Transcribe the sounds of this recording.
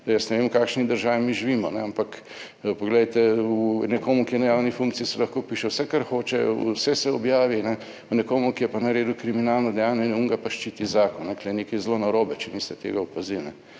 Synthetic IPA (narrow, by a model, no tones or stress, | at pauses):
jɐsnɛʋemkaːkʃnid̪əɾʒaːʋimiʒiʋiːmɔnɛampak | pɔɡlɛjt̪ɛunɛkoːmukijɛnɛjawnifũŋkt̪siisɛlɐxkoːpiʃɛwsɛkaɾxoːt͡ʃɛṵsɛsɛɔbjaːʋinɛ | unɛkoːmukijɛpanɐɾeːd̪ukɾiminaːlnɔd̪ɛjaːnɛnuŋɡapaʃt͡ʃit̪izaːkɔnːɛkleneːkɐjzlonaɾoːbɛt͡ʃɛmist̪ɛt̪ḛːɡaupazilnɛ